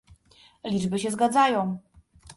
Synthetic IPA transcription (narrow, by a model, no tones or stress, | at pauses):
lʲid͡ʐbɘɕɛzɡad̪zajɔ̃w̃